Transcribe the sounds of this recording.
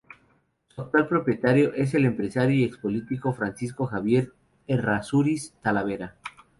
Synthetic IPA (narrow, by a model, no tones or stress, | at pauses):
suak̚t̪walpɾo̞pje̞t̪aɾjo̞ʔe̞s̬e̞le̞mpɾe̞saɾjoiekspo̞lit̪iko̞fɾansisko̞xaβje̞ɾ | erasuɾist̪alaβ̞e̞ɾa